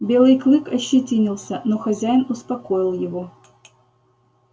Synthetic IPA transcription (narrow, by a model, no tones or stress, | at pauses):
bʲelˠɨjklˠɨkɐɕːɪtʲinʲilˠsʲənoxɐzʲæjnʊspɐkojɪlˠjɪvo